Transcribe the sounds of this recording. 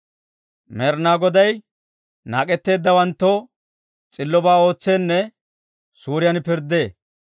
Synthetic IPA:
mɛɾnaːɡɔd̪ɐj | na̰ːkʼɛt̪ːe̞ːd̪ːɐwɐnt̪ːɔ | t͡sʼɪlːɔbaːo̞ːt͡sːe̞ːnːɛ | suːɾɪjɐnpɪɾd̪ːe̞ː

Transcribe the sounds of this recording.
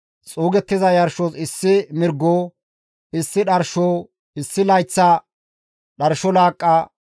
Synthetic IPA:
t͡sʼuːɡɛt̪ːɪzɐjɐɾʃoːsɪsːɪmɪɾɡoː | ɪsːɪɗɐɾʃoː | ɪsːɪlɐjt͡sːɐ | ɗɐɾʃɔlaːkʼːɐ

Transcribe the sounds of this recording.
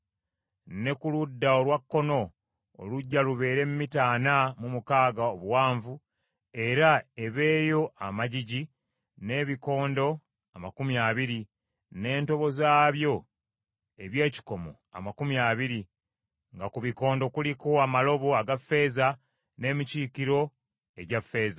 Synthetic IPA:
ne̞kuludːaolwakːo̞no̞̰ː | luɟːaluβe̞ːɾe̞mumitaːnamumukaːɡaoβuwaːɱvu | e̞ɾae̞βe̞ːjo̞ʔamaɟiɟi | ne̞ːβiko̞ːndo̞ | amakumiaːβiɾi | ne̞ːnto̞βo̞zaːβjo̞ | e̞βje̞ːci̥ko̞mo̞̰ | a̰makumjaːβiɾi | ŋɡakuβiko̞ːndo̞kulikoamalo̞βo̞aɡafe̞ːza | ne̞ːmiciːkiɾo̞ | e̞ɟafːe̞ːza

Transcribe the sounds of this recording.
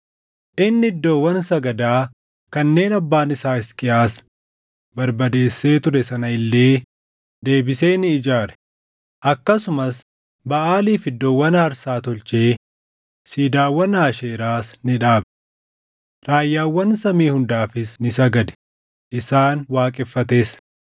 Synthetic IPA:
ʔʔɪnːɪɪd̪ːo̞ːwːɐnsɐɡɐd̪aː | kɐnːe̞ːnɐbːaːnɪsaːɪskʼɪʔaːs | bɐɾbɐd̪e̞ːsːe̞ːt̪ʊɾɛsɐnɐɪlːe̞ː | d̪e̞ːbɪse̞ːnɪːd͡ʒaːɾɛ̥ | ʔɐkːɐsʊmɐs | bɐʔaːliːfɪd̪ːowːɐnhɐɾsaːt̪ɔlt͡ʃe̞ː | siːd̪aːwːɐnaːʃeːɾaːsnɪᶑaːb | ɾaːjːaːwːɐnsɐmiːhʊnd̪aːfɪsnɪsɐɡɐd̪ɛ̥ | ʔɪsaːnwaːkʼɛfːɐt̪e̞ːs

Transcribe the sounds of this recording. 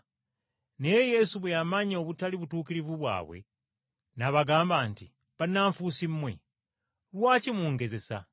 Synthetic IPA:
nejeje̞suβwejamaɲo̞βutaliβutuːkiɾivuβwa̰ːβwe̞̰ | naβaɡaːmbaːnti | βanːaːɱfusimmːwe̞̰ | lwaːcimuːŋɡe̞ze̞sa̰

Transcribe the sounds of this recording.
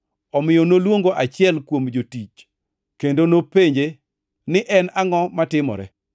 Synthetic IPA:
ɔmɪjɔnolwoŋɡoʔat͡ʃɪɛlkwomd͡ʒotit͡ʃ | kendonopeɲd͡ʒe | nɪʔɛnaŋɔmatɪmɔ̰ɾɛ̰

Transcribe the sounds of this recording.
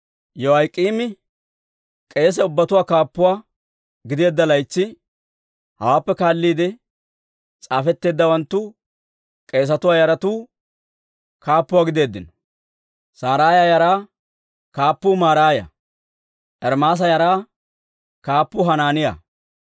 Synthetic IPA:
jɔwɐjkʼːiːmɪ | kʼe̞ːs̬ɛʊbːɐt̪ʊwaːkaːpːʊwaː | ɡɪd̪eːd̪ːɐlɐjt͡ʃːɪ | hɐwaːpːɛkaːlːiːd̪ɪ | t͡sʼaːfɛt̪ːe̞ːd̪ːɐwɐnt̪ːuʊ | kʼe̞ːs̬ɐt̪ʊwaːjɐɾɐt̪uː | kʰaːpːʊwaːɡɪd̪e̞ːd̪ːɪnɔ̥ | saːɾaːjaːjɐɾaː | kaːpːuːmaːɾaːjɐ̰ | ʔɛɾmaːs̬ɐjɐɾaː | kaːpːʊɦɐnaːnɪja̰

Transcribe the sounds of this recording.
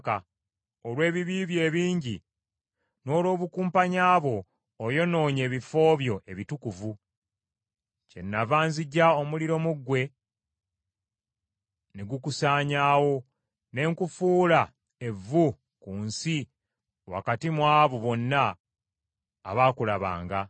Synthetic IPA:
ka | olwe̞ːβiβiːβje̞ːβiːɲɟi | no̞ːlo̞ːβukuːmpaɲaːβwo̞ː | jo̞no̞ːɲe̞ːβifo̞ːβjo̞ʔe̞βitukuvu | ce̞̰nːavaːnziɟːao̞muliɾo̞muɡwe̞ | neɡukusaːɲaːwo̞ | ne̞ːŋkufuːla | e̞vːu | kuːnsi | wa̰katimwaːβuβo̞nːa | βaːkulaβa̰ːŋɡa

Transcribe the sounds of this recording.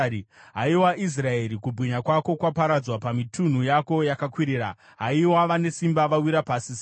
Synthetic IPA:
ɦaiwaʔis̬rae̞ɾikubwiɲakwako̞kwapaɾad͡zwapamitun̤ujako̞jakakwiɾiːɾa | ɦaiwaʋane̞simbaʋawiɾapaːsi

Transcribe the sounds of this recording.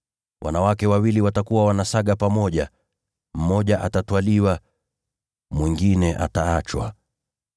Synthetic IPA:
wʔa̰nawakɛwawiliwatakuwawanasaɠapamɔʄa | m̩mɔʄaʔatatwaliwa | mwiŋɡinɛʔa̰taat͡ʃwa̰

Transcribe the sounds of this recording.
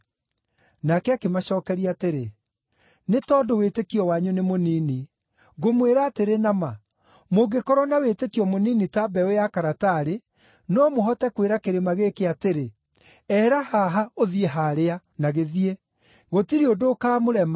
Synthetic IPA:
nakɛakemaɕɔːkɛɾiaːteɾe | netɔːdowetekiɔwaɲonemoniːni | ɣomweɾaːteɾenama | moɡekɔɾɔnawetekiɔmoninitabɛojakaɾataɾe | nɔmoɦɔtɛkweɾakeɾemaɣekeateɾe | ɛːɾahaɦaoðieɦaɾea | naɣeðie | ɣotiɾiodoːkaːmoɾɛma

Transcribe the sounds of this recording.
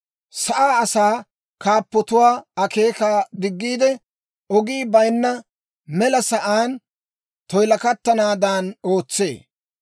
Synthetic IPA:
sɐʔaːɐsaː | kaːpːɔt̪ʊwaːɐke̞ːkaːd̪ɪɡːiːd̪ɛ | ɔɡiːbɐjnːɐ | mɛlɐsɐʔaːn | t̪ɔjlɐkɐt̪ːɐnaːd̪aːno̞ːt͡sːe̞̰ː

